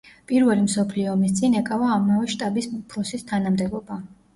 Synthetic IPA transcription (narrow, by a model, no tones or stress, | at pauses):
pʼiɾvɛlimsɔpʰliɔːmist̪sʼinɛkʼavaːmavɛʃt̪ʼabisupʰɾɔsist̪ʰanamd̪ɛbɔba